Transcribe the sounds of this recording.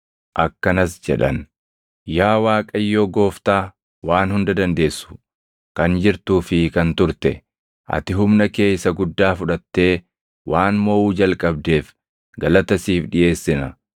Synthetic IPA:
ʔɐkːɐnɐsd͡ʒɛᶑɐn | jaːwaːkʼɐjːoːɡo̞ːft̪aː | waːnhʊnd̪ɐd̪ɐnd̪e̞ːsːʊ̥ | kɐnd͡ʒɪɾt̪uːfɪkɐnt̪ʊɾt̪ɛ | ʔɐ̰t̪ɪɦʊmnɐke̞ːjsːɐɡʊd̪ːaːfʊᶑɐt̪ːe̞ː | wʔaːnmoːʔuːd͡ʒɐlkʼɐb̚d̪e̞ːf | ɡɐlɐt̪ɐsiːfᶑɪʔe̞ːsːɪnɐ

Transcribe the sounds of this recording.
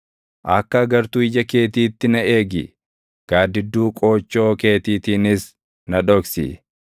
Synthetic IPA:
ʔɐkːɐːɡɐɾt̪uːɪd͡ʒɐke̞ːt̪iːt̪ːɪnɐe̞ːɡɪ̰ | ɡ̥aːd̪ɪd̪ːuːkʼo̞ːt͡ʃːo̞ːke̞ːt̪iːt̪iːnɪs | nɐᶑɔksḭː

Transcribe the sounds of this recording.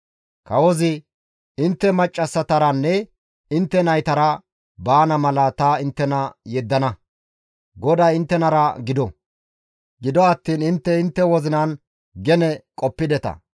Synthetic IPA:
kɐwɔzɪ | ɪnt̪ːɛmɐt͡ʃʼːɐsːɐt̪ɐɾɐnːɛ | ɪnt̪ːɛnɐjt̪ɐɾɐ | baːnɐmɐlɐt̪ɐɪnt̪ːɛnɐjɛd̪ːɐnɐ | ɡɔd̪aːɪnt̪ːɛnɐɾɐɡɪd̪ɔ | ɡɪd̪ɔɐt̪ːiːnɪnt̪ːɛɪnt̪ːɛwɔzɪnɐn | ɡɛnɛkʼɔpːɪd̪ɛt̪ɐ̰

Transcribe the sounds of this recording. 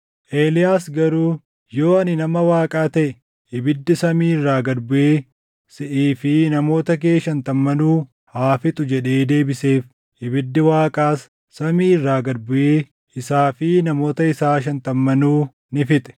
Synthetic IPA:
ʔeːlɪjaːsɡɐɾuː | jo̞ːɐnɪnɐmɐwaːkʼaːt̪ɐʔɛ | ʔɪbɪd̪ːɪsɐmiːɪrːaːɡɐd̪bʊʔeː | sɪʔiːfɪnɐmo̞ːt̪ɐk̬eːʃɐnt̪ɐmːɐnuː | haːfɪt̪ʼʊd͡ʒɛᶑe̞ːd̪e̞ːbɪse̞ːf | ʔɪbɪd̪ːɪwaːkʼaːsː | ɐmiːɪrːaːɡɐd̪bʊʔeː | ɪsaːfɪnɐmo̞ːt̪ɐɪsaːʃ̬ɐnt̪ɐmːɐnuː | nɪfɪt̪ʼɛ̥

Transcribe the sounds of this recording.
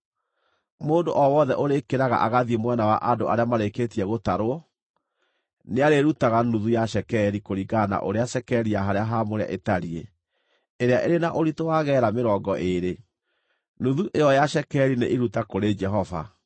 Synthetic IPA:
moːndoʔɔwɔðɛʔoɾekeɾaɣa̰ʔaɣaðiemwɛnawaʔadoaɾeamaɾeketiɛɣotaɾoɔ | neaɾeɾutaɣanuðujaʃɛkɛɾikoɾiɡana̰ʔo̰ɾeaʃɛkɛɾijaɦaɾeaɦamoɾea̰ʔetaɾie | eɾeaʔeɾenaʔoɾitowaɣɛːɾameɾɔːɡɔʔeɾe | nuðuʔeɔjaʃɛkɛɾinḛʔiɾutakoɾed͡ʒɛɦɔva̰

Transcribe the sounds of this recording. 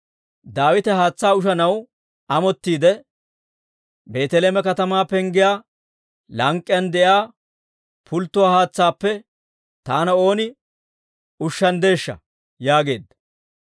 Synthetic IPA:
d̪aːwɪt̪ɛɦaːt͡sːaːʊʃ̬ɐnɐw | ɐmɔt̪ːiːd̪ɛ | be̞ːt̪ɛleːmɛkɐt̪ɐmaːpɛŋɡɪjaː | lɐŋkʼːɪjɐnd̪ɛjaː | pʰʊlt̪ːʊwaːhaːt͡sːaːpːɛ | t̪aːnɐo̞ːnɪ | ʊʃːɐnd̪e̞ːʃːɐ̰ | jaːɡe̞̰ːd̪ːɐ̥

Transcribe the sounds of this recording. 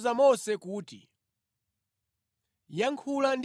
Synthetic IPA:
zamɔsɛkuːtḭ | jaŋkʰuland

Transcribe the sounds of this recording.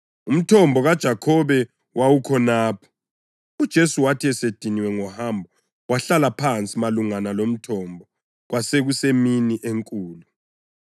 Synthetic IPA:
um̩tʰɔmbʱɔɣad̥ʒ̥ʱakʰɔβɛ | wʔawukʰɔnaːpʰɔ̥ | ud̥ʒ̥ʱesuwatʰiɛsed̥ʱiniwɛŋɔhaːmbʱɔ | wʔaɬalapʰant͡sʼimaluŋanalom̩tʰɔmbʱɔ | ɣwaseɣuseminiʔeŋkʼuːlu

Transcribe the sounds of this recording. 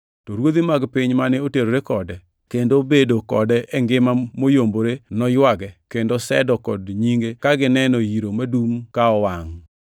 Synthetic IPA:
tɔɾwod̪imaɡpɪɲmanɛoteɾoɾekɔdɛ | kendobedokɔ̰dɛʔɛŋɡɪmamojomboɾenɔjwaɡɛkendosɛ̰dɔkɔdɲiŋɡekaɡɪnɛnɔjiɾomadumkaɔwaŋ

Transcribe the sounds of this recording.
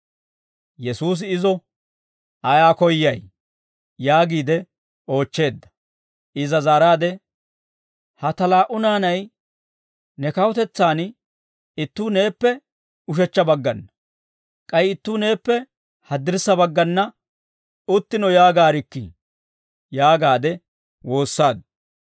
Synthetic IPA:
jɛsuːs̬ɪɪzɔ | ɐjaːkɔjːɐj | jaːɡiːd̪ɛ | o̞ːt͡ʃːe̞ːd̪ːɐ̥ | ʔɪzɐzaːɾaːd̪ɛ | hɐt̪ɐlaːʔʊnaːnɐj | nɛkɐwɔt̪ɛt͡sːaːn | ɪt̪ːuːne̞ːpːɛ | ʊʃɛt͡ʃːɐbɐɡːɐnːɐ | kʼɐjɪt̪ːuːne̞ːpːɛ | hɐd̪ːɪɾsːɐbɐɡːɐnːɐ | ʊt̪ːɪnɔjaːɡaːɾɪkːḭ | jaːɡaːd̪ɛ | wo̞ːsːaːd̪

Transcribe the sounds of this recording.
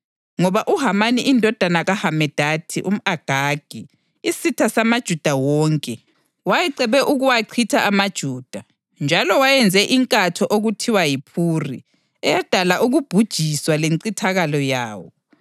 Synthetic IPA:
ŋɔβaʔuɦamaniʔindʱɔd̥ʱanaɣahamɛd̥ʱatʰiʔum̩aɡ̥ʱaːɡ̥ʱi | isitʰasamad̥ʒ̥ʱud̥ʱawɔːŋkʼɛ | wajɛǀɛβɛʔuɣuwaǀʰitʰaʔamad̥ʒ̥ʱuːd̥ʱa | nd͡ʒʱalɔwajɛnd͡zʱɛʔiŋkʼatʰɔʔoɣutʰiwajipʰurḭ | ɛjad̥ʱalaʔuɣub̥ʱud̥ʒ̥ʱiswaleŋǀitʰaɣalɔjaːwɔ

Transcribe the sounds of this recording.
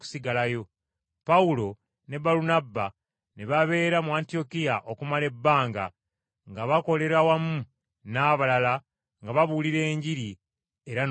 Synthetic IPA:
ku̥siɡalajo̞ | paulo̞ | ne̞baɾunabːa | neβaβe̞ːɾamuaːntio̞kijaʔo̞kumale̞bːaːŋɡa̰ | ŋɡaβako̞le̞ɾawamu | naːβalala | ŋɡaβaβuliɾe̞ːɲɟiɾi | e̞ɾan

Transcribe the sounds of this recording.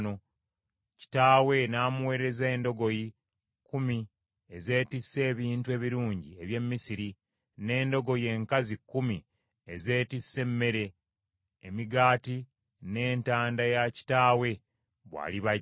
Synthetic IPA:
no | ci̥taːwe̞naːmuwe̞ːɾe̞zeːndo̞ɡo̞ji | kumi | eze̞ːtisːe̞ːβiːntue̞βiɾuːɲɟieβje̞mːisiɾi | ne̞ːndo̞ɡo̞je̞ːŋkazikːumi | eze̞ːtisːe̞mːe̞ɾe̞ː | miɡaːti | ne̞ːntaːndajaci̥taːwe̞ | βwa̰ːliβa

